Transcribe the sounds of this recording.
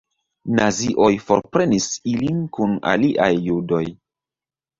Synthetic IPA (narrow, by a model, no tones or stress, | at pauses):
naziʔo̞jfo̞ɾpɾe̞nisilinkuna̰liʔajːudo̞j